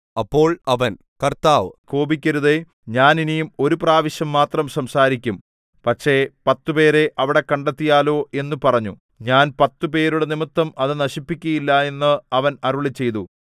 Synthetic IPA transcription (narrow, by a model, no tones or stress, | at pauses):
ɐpːo̞ːɭɐʋɐn | kɐrt̪aːʋko̞ːbikʲːɐɾuðe̞ | ɲaːninijumo̞ɾupraːʋiɕjɐmːaːt̪rɐmsɐmsaːɾikʲːum | pɐkʂe̞pɐt̪ːupe̞ːɾe̞ʔɐʋiɽe̞kɐɳɖet̪ːijaːlo̞ːʔe̞nːupɐrɐɲːu | ɲaːnpɐt̪ːupe̞ːɾuɽenimɐt̪ːɐmɐðɨnɐɕipːikʲːɐjilːɐe̞nːɨɐʋɐnɐɾuɭit͡ɕːe̞jt̪u